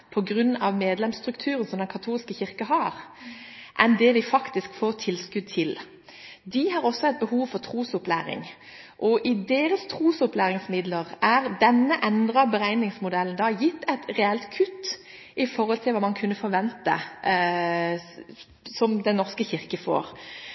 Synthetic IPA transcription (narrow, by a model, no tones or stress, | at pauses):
pʰɔɡʁʉnːɑʋmeːd̪lɛmsst̪ʁʉkt̪ʰʉːɾənsɔmd̪ɛnkʰɑt̪ʰuːlskəçɪʁkəɦɑɾ | ʔɛnd̪ɛd̪ɪfɑkt̪ɪskfoːʁt̪ʰɪlskʉd̪̚t̪ʰɪl | d̪ɪɦɑːʁɔsɔɛt̪̚bəhuːʋfɔʁt̪ʰʁuːsʊplæ̰ːɾɪ̰ŋ | ʔɔʔɪd̪eːɾəst̪ʰʁuːsʊplæːʁɪŋsmɪd̪ləʁʔæʁd̪ɛnːəʔɛnd̪ʁɑbəɾæɪnɪŋsmʊd̪ɛlːənd̪ɑːjɪt̪ːɛt̪ɾɛɛlt̪kʰʉt̪ː | ʔɪfɔʁɔlt̪ʰɪlʋɑːmɑnkʰʉnːəfɔɾʋɛnt̪ə̰ | sɔmd̪ɛnːɔʁskəçɪʁkəfo̰ːʁ